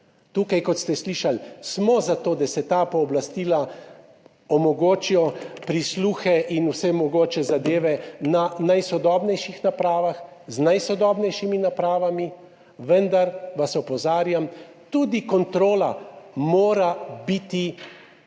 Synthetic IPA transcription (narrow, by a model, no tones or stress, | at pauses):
t̪uːkajkɔt̪st̪ɛsliʃalsmɔzat̪oːd̪asɛt̪apɔːblast̪iːla | ɔmɔɡoːt͡ʃijɔpɾisluːxɛʔinusɛmɔɡoːt͡ʃɛzad̪eːʋɛnanajsɔd̪ɔːbnɛjʃixnapɾaːʋax | znajsɔd̪ɔːbnɛjʃiminapɾaːʋami | ʋənd̪aɾʋasɔpɔzaːɾjam | t̪uːd̪ikɔnt̪ɾoːlamoːɾabit̪i